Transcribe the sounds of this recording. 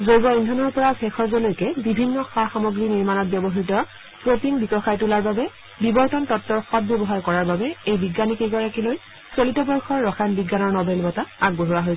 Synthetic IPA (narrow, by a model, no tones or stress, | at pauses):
zojɡɔindʱɔnɔɹpɔɹabɛxʰɔɹzolojkɛbibʱinːɔxaxamɔɡɹiniɹmanɔt̚bjɔbɔɦitɔ | pɹotiŋbikɔxʰajtulaɹbabɛ | bibɔɹtɔntɔtːɔɹxɔt̚bjɔbɔɦaɹkɔɹaɹbabɛejbiɡːanikejɡɔɹakiloj | solitɔbɔɹxʰɔɹːɔxʰanbiɡːanɔɹnɔbelbɔtaaɡ̚boɦuɹaɦoj